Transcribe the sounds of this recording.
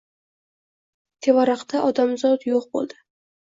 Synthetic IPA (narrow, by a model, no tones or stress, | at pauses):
t̪ʰe̞vaɾɑqt̪aʔɒd̪amzɒt̪joq̚bo̰lˠd̪ɪ